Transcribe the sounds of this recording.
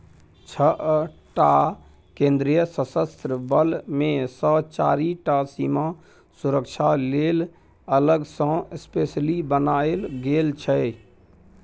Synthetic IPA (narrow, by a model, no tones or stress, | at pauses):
t͡ʃʰəʔʈa | kẽnd̪ɾijəsəsəst̪ɾəbəlmẽsət͡ʃa̰ɾiʈasima | suɾəkt͡ʃʰaleːl | ələɡsə̃espeslibənaelɡelt͡ʃʰə